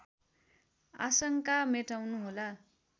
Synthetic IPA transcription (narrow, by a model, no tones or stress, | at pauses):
a̰sʌŋkameʈawnuɦola